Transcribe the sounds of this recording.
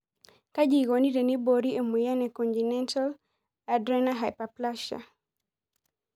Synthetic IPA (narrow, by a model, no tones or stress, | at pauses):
kad͡ʒiɡonidɛnibɔɾiɛmujanɛkɔntinɛntal | adɾɛnaɦajpaplaʃa̰